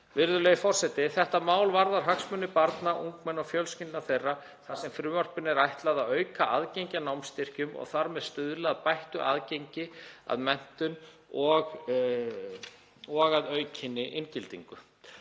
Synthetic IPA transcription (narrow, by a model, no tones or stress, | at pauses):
vɪɾðʏlɛjɪfɔr̥sɛt̪ɪθɛht̪amaːwlvaɾðaɾ̥ɦaksmʏnːɪpaɾt̪naʔuŋkmɛnɔɣfjœlscɪnt̪naθejrːa | θasɛmfɾʏːmɔr̥pɪnːɪɾajht̪laðaðœːɥkaʔaðcejɲcanawmst̪ɪr̥cʏmɔ̰ɣθaɾmɛðst̪ʏðlɪaðpajht̪ʏʔa̰ːðcejɲcɪa̰ðmɛn̥t̪ʏn | ɔɣ | ɔɣaðœːɥcʰɪnːɪʔɪncɪlt̪ḭŋkʏ